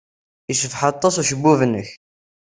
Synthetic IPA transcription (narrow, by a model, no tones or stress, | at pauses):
iʃəfħɑt̪ˤːɑsuʃəbːuvənːəç